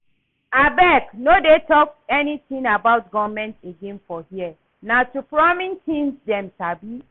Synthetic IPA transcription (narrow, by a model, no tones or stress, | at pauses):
abɛknodetɔk̚tɛnitĩŋabaʊtɡɔvmɛ̃nteɡẽnfɔhiə | natupɹɔmĩntʰĩnsdɛ̃msabi